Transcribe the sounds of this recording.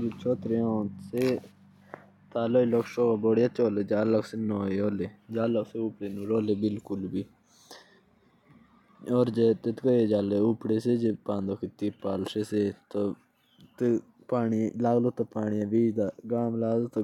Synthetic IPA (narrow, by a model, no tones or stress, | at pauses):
d͡ʒit͡ʃʰoːt̪ɾeːõːseː | t̪aːloːiloksoːaboːɽjat͡ʃoːleːd͡ʒaːləksenoːeoːleːd͡ʒaːləkseuːpɽeːnũɾoːleːbɪlkʊlbiː | ɔːɾd͡ʒeːt̪et̪kəeːd͡ʒaːleːupɽeːsed͡ʒepãːnd̪okʰɪt̪iːpaːlseseːt̪o | t̪ | paːɳilaːɡlot̪apaːɳijãːʋiːd͡ʒd̪aːɡãːmlaːzt̪o